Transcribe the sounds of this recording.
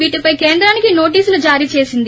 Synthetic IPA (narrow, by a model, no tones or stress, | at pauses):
ʋiːʈipɐjkeːnd̪ɾaːnikino̞ːʈ̬iːsulud͡ʒaːɾiːt͡ʃe̞ːsind̪i